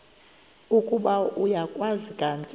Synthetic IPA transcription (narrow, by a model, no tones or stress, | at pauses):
ukʼuɓaujakʼwazikʼant͡sʼ